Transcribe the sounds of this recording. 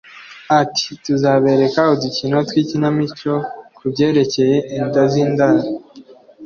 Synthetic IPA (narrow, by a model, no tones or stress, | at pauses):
ati̥tuzaːβe̞ːɾe̞kahoducinotwiːcinamit͡ʃo̞kubɟe̞ːɾe̞ce̞je̞ʔindazindaɾ